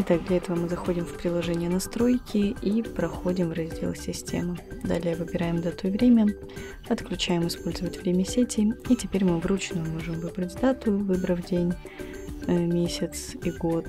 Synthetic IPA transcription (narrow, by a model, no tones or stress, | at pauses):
ɪt̪aɡ̚d̪lʲɐɛt̪əvəmɨzɐxo̞dʲɪmfpɾʲɪlˠɐʐɛnʲɪjənɐst̪ɾo̞jkʲɪipɾɐxodʲɪmvrɐzʲdʲḛlˠsʲɪsʲtʲḛmɨd̪a̰lʲɪjəvɨbʲɪɾajɪmd̪at̪ʊjvɾʲemʲə | ɐt̪klʲʉt͡ɕæjɪmɨspo̞lʲzəvətʲvɾʲemʲəsʲetʲɪitʲɪpʲeɾʲmɨvrut͡ɕnʊjʊmo̞ʐɨmvɨbɾətʲd̪at̪ʊjvɨbɾəvdʲenʲ | mʲesʲɪt̪siɡo̞t̪